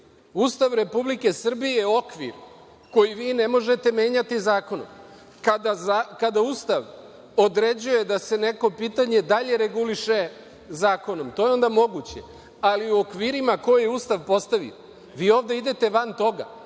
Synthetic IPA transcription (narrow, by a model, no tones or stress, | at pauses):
ust̪aʋɾe̞publike̞sr̩bijeo̞kʋḭɾ | ko̞jiʋiːne̞mo̞ʒe̞t̪e̞me̞ːɲat̪izaːko̞no̰m | kad̪azakad̪auːst̪aʋ | o̞d̪ɾe̞d͡ʑuje̞d̪ase̞ne̞ko̞piːt̪aɲe̞d̪aʎe̞ɾe̞ɡuliʃe̞ | zaːko̞no̞mt̪o̞jeo̞nd̪amo̞ɡut͡ɕe̞ | aliuokʋiːɾimako̞jjeust̪aʋpo̞st̪aʋḭo | ʋiːo̞ːvd̪eid̪e̞t̪e̞ʋant̪o̞ɡa̰